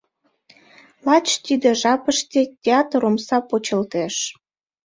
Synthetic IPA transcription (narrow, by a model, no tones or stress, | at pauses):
lɑt͡ɕt̪id̪ĕʒɑpəʃt̪ʲetʲeɑt̪romsɑpot͡ɕə̆lt̪eʃ